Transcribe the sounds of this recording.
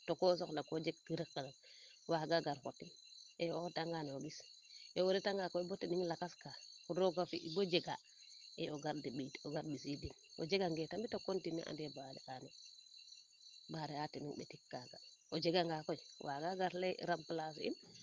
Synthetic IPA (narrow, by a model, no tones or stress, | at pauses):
tokosoklakod͡ʒeɡ̚diɾikːana | waɡaɡaɾko̰tin | eoktaŋɡanoɡisɛwoɾetaŋɡakojbotiniŋlakaskakuɾoɡafiʔibod͡ʒeɡa | eoɡaɾdiɓitoɡaɾbisidino̰d͡ʒeɡaŋɡetambitokontinḭʔa̰ndebadɛ̰anɛ | baɾɛatiniŋɓḛtikːaɡaod͡ʒeɡaŋɡakojwʔaɡaɡaɾleɾamplasḭn